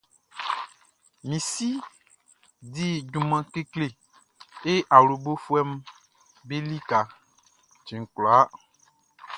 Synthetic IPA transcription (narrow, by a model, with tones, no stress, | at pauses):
mĩ˨si˦ | di˦d͡ʒu˨mã˨ke˦kle˨ | e˦ʔa˨wlo˨bo˦fu˦ɛ˦m | be˦li˦ka˨ | t͡ʃĩ˨ŋ̩˨klɔ˨a˦